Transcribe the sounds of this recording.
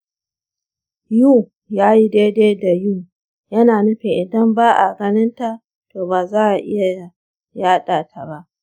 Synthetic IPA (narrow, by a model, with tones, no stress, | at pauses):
juː˦˨ | jaː˦ji˦deː˦deː˦da˨juː˦˨ | jɐ˦naː˨nʊ˦ɸɪ˨ŋʔɪ˨dɐ˦mbaː˦ʔa˨ɡɐ˦nɪ˦nta˨ | toː˨baː˨zaː˦ʔa˨ʔɪ̰˦ja˨ | jaː˦ɗaː˨tʰa˨ba˦ʔ